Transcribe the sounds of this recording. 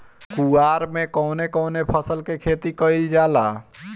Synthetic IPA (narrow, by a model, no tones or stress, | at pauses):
kuaɾmekɔʊnekɔwnepʰəsəlkekʰet̪ikəɪld͡ʒala